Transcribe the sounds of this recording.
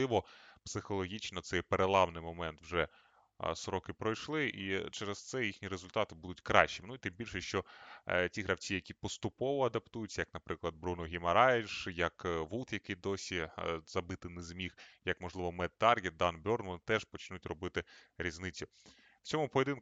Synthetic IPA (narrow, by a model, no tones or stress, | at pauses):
ɪʋɔpsɪxɔlˠɔɦʲit͡ʃnɔt̪sɛjpeɾelˠɑʋnɪjmɔmɛnt̪wʒɛ | sɾɔkɪpɾɔjʃlˠɪʔit͡ʃɛɾest̪sɛjixnʲiɾezʊlʲt̪ɑt̪ɪbud̪ʊtʲkɾɑʃt͡ʃːinʊit̪ɪmbʲilʲʃɛʃt͡ʃɔtʲiɦɾɐwt͡sʲijɐkʲipɔst̪ʊpɔʋɔɐd̪ɐpt̪ujʊtʲːjɐknɐpɾɪklˠɐd̪̚bɾunɔɦʲimɐɾɑjʂjɐkʋut̪jɐkɪjd̪ɔsʲiz̥ɐbɪt̪ɪnezmʲixjɐkmɔʒlˠɪʋɔmɛd̪̚t̪ɑrɡʲid̪ɑnbʲɔrnʋɔnt̪ɛʒpɔt͡ʃnutʲrɔbɪt̪ɪɾʲiznɪt͡sʲːʊ | w̥t͡sʲɔmʊpɔɔd̪ɪn